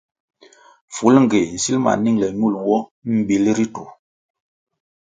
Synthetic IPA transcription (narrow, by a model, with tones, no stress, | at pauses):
fu˨˦lŋ˨ɡe˨n̩˨si˦lma̰˨ni˦˨ŋlɛ˨ɲu˦˨lwɔ˦m̩˨bi˨lɾi˦tu˨